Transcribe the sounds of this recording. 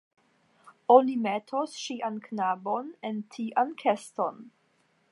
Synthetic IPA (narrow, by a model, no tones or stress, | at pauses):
onimetʰosʃiʔanknabonentʰiʔankʰesto̞n